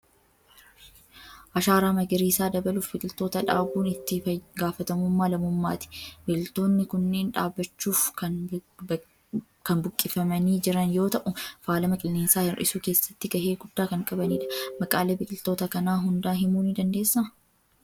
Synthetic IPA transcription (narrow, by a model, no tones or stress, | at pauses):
ʔɐʃaːɾaːmɐɡɪɾiːsaːd̪ɐbɐluːfbɪkʼɪlt̪o̞ːt̪ɐᶑaːbuːnɪt̪ːɪɐɡaːfɐt̪ɐmʊmːaːlɐmʊmːa̰ːt̪ɪ̥bɪɪlt̪o̞ːnːɪkʊnːe̞ːnᶑaːbːɐt͡ʃːuːfkɐ | kɐnbʊkʼːɪfɐmɐniːd͡ʒɪɾɐnjo̞ːt̪ɐʔʊfaːlɐmɐkʼɪlːeːnsaːhɪrʔɪsuːke̞ːsːɐ̥t̪ːɪɡɐheːɡʊd̪ːaːkɐŋkʼɐbɐniːᶑɐ̥mɐkʼaːleːbɪkʼɪlt̪o̞ːt̪ɐkɐnaːɦʊnd̪aːɦɪmuːnɪd̪ɐnd̪e̞ːsːɐmɐ